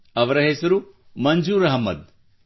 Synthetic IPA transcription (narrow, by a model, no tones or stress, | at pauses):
ɐʋɾɐɦeːsɐɾu | mɐnd͡ʒuːɾɐɦɐmɐ̰d̪̚